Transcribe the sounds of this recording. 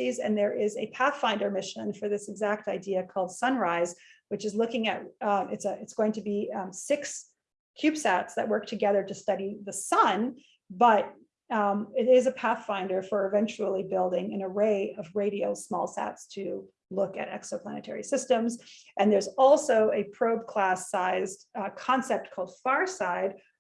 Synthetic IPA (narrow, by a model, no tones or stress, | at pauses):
izɨ̰̃nðə˞ʔɪzɨpʰæθfãɪ̃ndə˞mɪʃɨ̃nfə˞ðɪsɨɡzæk̚taɪdiɨkʰɔlˠd̥sʌ̃nɹaɪzwɨt͡ʃɨzlʊkɪ̃ŋɨ̰t̚ɪtsɨɨtsɡ̥oʊɪ̃ŋtʰɨbisɪks | kʰj̥ʉpsætsðɨ̰ʔ̚wɜ˞k̚tʰɨɡɛðə˞ɾɨstʌɾiðɨsʌ̃n | bʌɾ | ɪɾɪzɨpʰæθfãɪ̃ndə˞fə˞ɨvɛ̃nt͡ʃul̩ˠibɪlˠdɪ̃ŋɨ̃nəɹeɪʌvɹeɪɾioʊsmɔlˠsæ̰tstʰɨ | lʊkɨ̰ɾɛ̰ksoʊpʰl̥æ̰nɨtʰɛ̰ɹisɪstɨ̃mzʔɨ̃nðə˞zɔlˠsoʊɨpʰɹ̥oʊb̚kʰl̥æsaɪzkʰɑ̃nsɛp̚t̚kʰɔlˠd̥fɑɹsaɪd̥̚